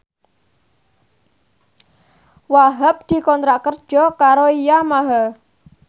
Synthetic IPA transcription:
waɦəp̚d̪̥i̤kɔnt̪ɾaʔkərd̥ʒ̥ɔkaɾoijamaɦə

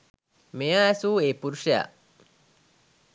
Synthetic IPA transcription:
mejaɐsuːeːpuɾuʂɐja̰

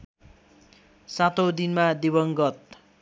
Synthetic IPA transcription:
sat̪ʰowd̪inmad̪ibʌŋɡʌt̪̚

